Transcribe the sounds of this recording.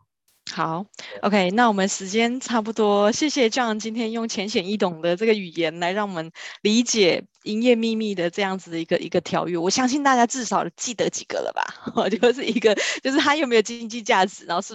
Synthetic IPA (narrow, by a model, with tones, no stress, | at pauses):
xɑ˨˩˦ʊo̰˧˥ʊkʰe˥ɪna˥˩wɔ˨˩mə˨˦nʂɻ̩˧˥t͡ɕjɛ˥nʈ͡ʂʰa˥˩p̬u˧t̪wɔ˥ɕjɛ˥˩ɕjɛ˨˩t͡ɕjo˥˧ʊwɑ˥˩ŋt͡ɕi˥nt̪ʰjɛ˥njʊ˥˩ŋt͡ɕʰjɛ˧˥nɕjɛ˨˩ni˥˩t̪ʊ˨˩ŋd̪ə˨ʈ͡ʂɤ˥˩ɡə˩y˨˩jɛ˧˦nla˧˥ɪɻɑ˥˩ŋwɔ˨˩mə˦nli˧˥t͡ɕjɛ˨˩ | i˥njɛ˥˧mi˥˧mi˥˩d̪ə˩ʈ͡ʂɤ˥˧jɑ˥˩ŋd͡zɹ̩˨˩d̪ə˩i˧˥ɡə˨˩ʔḭ˧˥ɡə˧t̪ʰjɑ˧˥ʊɥɛ˥˩wɔ˨˩ɕjɑ˥ŋɕi˥˧nt̪a˥˩t͡ɕja˥ʈ͡ʂɻ̩˥˩ʂɑ˨˩ʊt͡ɕi˥˩t̪ə˧˦t͡ɕi̥˨˩ɡ̥ə̰˨lə̰˩ba̰˨˩ɔ˧t͡ɕjo˥˧ʊʂ̬ɻ̩˥˩i˧˥ɡə˧t͡ɕjo˥˧ʊʂ̬ɻ̩˥t̪ʰa˥jo˨˩me˧˥ɪjo˨˩ʊt͡ɕi˥ŋt͡ɕi˥˧t͡ɕja˥˩ʈ͡ʂɻ̩˨˩na˧˦˥xo˥˧ʊʂɻ̩˥˩